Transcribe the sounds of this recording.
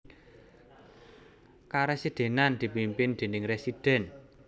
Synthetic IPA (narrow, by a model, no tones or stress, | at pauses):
kaɾɛsid̪̥e̤nand̪̥i̤pimpɪnd̪̥e̤nɪŋresid̪̥ɛ̤n